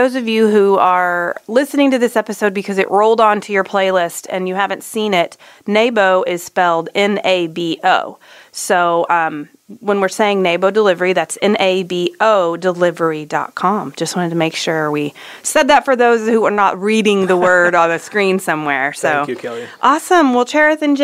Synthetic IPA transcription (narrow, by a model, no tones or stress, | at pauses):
ðoʊzʌvjʉɦuə˞lɪsnɪ̃ŋtɨðɪsɛpɨsoʊd̚bɨkʰʌzɨ̰ʔɹoʊlˠdn̩tʰɨjə˞pʰl̥eɪlɪstʰɨ̰̃njɨhævɨ̃ntsĩnɪtneɪboʊʔɪz̥spɛlˠdɪ̃neɪbiʔoʊsoʊʌ̃m | wə̃nwɨɹseɪɪ̃ŋneɪboʊdəlɪvə˞iðætsɛ̃neɪbioʊdəlɪvə˞idɑ̰t̚kʰɑ̃md͡ʒʌst̚wɑ̃ñɨtʰɨmeɪkʃʊɹwi | sɛd̪̚ðɨtfə˞ðoʊzhuə˞nət̚ɹiɾɪ̃ŋðəwɜ˞ɾən̩ðɨskɹĩnsʌ̃mwɛɹsoʊʔɑsə̃mwɪlˠt͡ʃʰɛɹɨθɨ̃nd͡ʒ